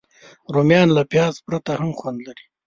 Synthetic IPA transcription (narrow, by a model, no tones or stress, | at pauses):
ɾomjɑnlapjɑːzpɾat̪ahamxwand̪laɾi